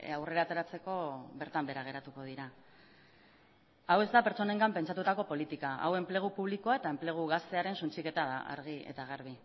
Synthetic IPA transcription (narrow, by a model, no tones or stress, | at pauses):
awre̞ɾat̪e̞ɾat͡se̞ko̞βe̞ɾt̪ambe̞ɾaɣ̞e̞ɾat̪uko̞ð̞iɾa | awe̞zd̪ape̞ɾt͡so̞ne̞ŋɡampe̞nt͡ʃat̪ut̪ako̞po̞lit̪ikaʔa̰we̞mple̞ɣ̞upuβlikoae̞t̪ae̞mple̞ɣ̞uɣast̪e̞aɾe̞nsunt͡sike̞t̪aða̰ʔa̰ɾɣiḛt̪aɣ̞aɾβ̞i